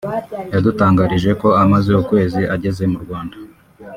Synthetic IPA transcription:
jadutaːŋɡaɾiʒe̞ko̞amazeukwe̞ːziʔaɟe̞ze̞muɾɡwaːnda

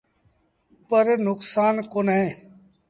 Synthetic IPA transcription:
pəɾnʊksaːnkoːnɦẽː

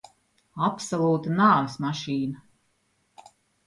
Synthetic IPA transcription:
apsɔlˠuːt̪anaːvismaʃiːna

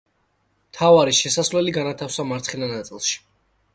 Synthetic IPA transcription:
mt̪ʰavaɾiʃɛsasvlɛliɡanat̪ʰafsamaɾt̪sχɛnanat̪sʼilˠʃi̥

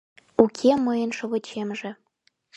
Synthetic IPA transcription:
ukʲʰemɤjə̆nʃɤ̆βɤ̆t͡ɕemʒĕ

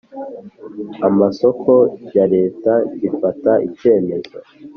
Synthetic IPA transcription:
amaso̞kʰo̞jaɾe̞ːtaɟifataʔice̞ːme̞zo̰

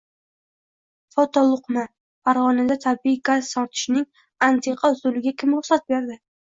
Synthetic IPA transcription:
fɒt̪ʰɒlˠʊqma | faɾʁɒnad̪at̪ʰabiɪɡazsɒɾt̪ʰɪ̥ʃnɪŋ | ant̪ʰeqʰɑʊzʊlɪɡʲakʲʰɪmɾʊχsat̪̚beɾd̪ɪ

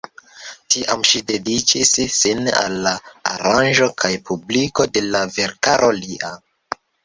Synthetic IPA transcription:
tiʔamʃide̞dit͡ʃisːina̰lːaa̰ɾanʒo̞kʰajpʰubliko̞de̞lave̞ɾkaɾʔo̞liʔa

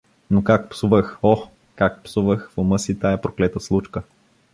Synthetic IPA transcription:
nokak̚psuvəxɔ | kak̚psuvəxvoməsit̪aɛpɾoklɛt̪əslˠut͡ʃkə

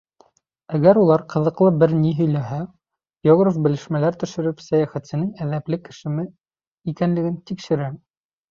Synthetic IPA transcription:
æɡæɾulˠɑɾqɤ̆ðɤ̆qlˠɤbɘɾniɦɵ̆jlæɦæ | ɡʲoɡrofbɘ̆lɘ̆ʃmælæɾt̪ɵ̆ʃɘ̆ɾɘpsæjæχæt̪sɘ̆nɘŋæðæplɘkɘ̆ʃɘ̆mɘ | ikænlɘ̆ɡɘnt̪ikʃɘ̆ɾæ

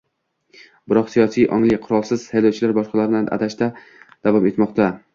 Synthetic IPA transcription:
bɪɾɒqsijɒsijʔɒ̰ŋlˠɪqʰʊɾɒlˠsɪz̥hajlɒwt͡ʃʰɪlaɾbɒʃqɑlaɾɪnanʔa̰t̪ʰaʃt̪a | d̪̥avɒme̞t̪mɒqt̪a

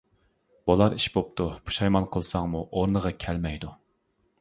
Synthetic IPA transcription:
b̥olˠɑɾiʃbop̚t̪ʰubʰu̥ʃɑjmɑnqʰəlˠsɑŋmuʔoɾnəʁɑkʲʰɛlmɛjd̪u

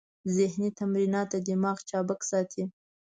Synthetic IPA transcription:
zɪhnit̪amɾinɑt̪ad̪ɪmɑxt͡ʃɑbaksɑt̪ʰi

